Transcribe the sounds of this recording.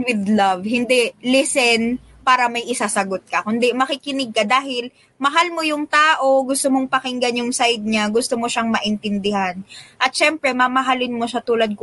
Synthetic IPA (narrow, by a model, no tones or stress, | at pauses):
wɪd̪lɐvhɪnd̪ɛlɪsɛn | paːɾɐmɐjʔɪsasɐɡot̪̚kɐkʊnd̪ɛmɐkɪkɪnɪɡ̚kɐd̪aːhɪl | mɐɦalmo̞jʊŋt̪aːʔo̞ɡʊst̪omoŋpɐkɪŋɡɐnjʊŋsajd̪̚ɲaɡʊst̪omoʃaŋmɐʔɪnt̪ɪnd̪ɪhanʔɐt̪̚ʃɛmpɾɛmɐmɐɦalɪnmo̞ʃat̪uːlɐd̪̚k